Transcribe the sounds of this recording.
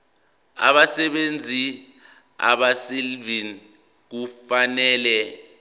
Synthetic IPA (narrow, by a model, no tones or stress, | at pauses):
a̰ɓasɛɓend͡zʱi | a̰ɓasilvin | k̬ufanɛːlɛ